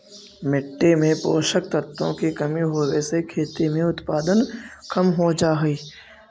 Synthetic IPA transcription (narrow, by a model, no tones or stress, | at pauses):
mɪʈːemẽpoːʃək̚t̪ət̪õkikɐmiɦoːʋeːsekʰeːt̪emẽʊt̪paːd̪ənkʰəmɦod͡ʒaːɦiː